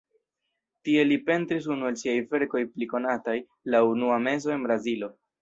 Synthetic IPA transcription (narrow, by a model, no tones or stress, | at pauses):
tie̞lipe̞ntɾis̬unuelsiajfe̞ɾko̞jpliko̞nataj | launuame̞zo̞e̞nbɾazilo̞